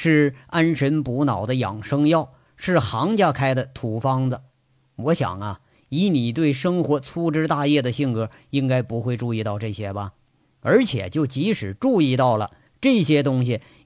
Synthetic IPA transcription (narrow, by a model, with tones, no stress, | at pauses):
ʂɻ̩˥˩a˥nʂə˧˥npu˧˥nɑ˨˩ʊd̪ə˦jɑ̰˨˩ŋʂɤ˥ŋjɑ˥˩ʊ | ʂɻ̩˥˩xɑ˧˥ŋt͡ɕja˥˩kʰa˥ɪd̪ə˨t̪ʰu˨˥˩fɑ˥ŋdə˨ | wɔ˧˥ɕjɑ̰˨˩ŋɐ˦ | i˧˥ni˨˩t̪̬we˥˩ɪʂɤ˥ŋxwɔ˧˥t͡sʰu˥ʈ͡ʂɻ̩˥t̪a˥˧jɛ˥˩d̪ə˩ɕi˥˩ŋkɤ˧˥ | i˥ŋka˥ɪpu˧˥xwe˥˧ɪʈ͡ʂu˥˧i˥˧t̪ɑ˥˧ʊʈ͡ʂɤ˥˩ɕjɛ˥bɐ˨ | ə˞˧˥t͡ɕʰjɛ̰˨˩t͡ɕjo˥˩ʊt͡ɕi˧˥ʂɻ̩˨˩ʈ͡ʂu˥˧i˥˧t̪ɑ˥˩ʊlə̰˩ | ʈ͡ʂɤ˥˩ɕjɛ˥t̪̬ʊ˥ŋɕ̬i˨˩